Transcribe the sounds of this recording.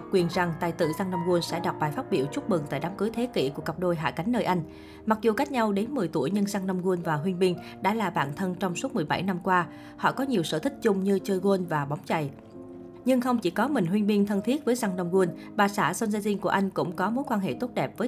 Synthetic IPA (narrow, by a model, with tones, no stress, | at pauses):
kwi˨˩ənza˨˩ŋt̪a̰ː˧˨jt̪ɨ̰˧˨za˧ŋnə˧wŋ͡mɣu˧ənsɛ̰˧˥ɗa˨˩wk͡p̚ɓaː˨˩jfaː˦˥t̚ɓḭ˧˩əwt͡ɕʊ˦˥k͡p̚mɨ˨˩ŋt̪a̰ː˧˨jɗaː˨˦mkɨ˨˦jt̪ʰe˨˦kḭ˧˩ku˧˩əkə˨˩p̚ɗo˧jɦa̰ː˧˨ka˨˦jŋ̟nəː˧jʔa˧jŋ̟ | ma˨˩k̚zu˨˩ka˦˥jk̟̚ɲa˧wɗe˨˦nmɨ˨˩əjt̪u˧˩əjɲɨ˧ŋza˧ŋnə˧wŋ͡mɣu˧nvaː˨˩ɦwi˧nŋɓï˧ŋ̟ | ɗa̰ː˧˥laː˨˩ɓa̰ː˧˩nt̪ʰə˧nt͡ɕɔ˧wŋ͡msu˦˥t̚mɨ˨˩əjɓa˧˩jna˧mkwaː˧ | hɔ̰˧˨kɔ˨˦ɲi˨˩əwsə̰ː˧˩t̪ʰï˦˥k̚t͡ɕʊ˧ŋ͡mɲɨ˧t͡ɕəː˧jɣu˧ənvaː˨˩ɓa˨˦wŋ͡mt͡ɕa̰˧˩j | ɲɨ˧ŋxə˧wŋ͡mt͡ɕi˧˩kɔ˨˦mï˨˩ŋ̟ɦwi˧əŋɓi˧ŋt̪ʰə˧nt̪ʰi˦˥ət̚vəː˨˦jza˧ŋɗə˧wŋ͡mɣu˧ən | ɓaː˨˩saː˧˩so˧nzaː˧zi˧nku˧˩əʔa˧jŋ̟kʊ̰˧˥ŋ͡mkɔ˨˦mo˨˦jkwaː˧nɦḛ˧˨t̪o˦˥t̚ɗɛ˨˩p̚vəː˨˦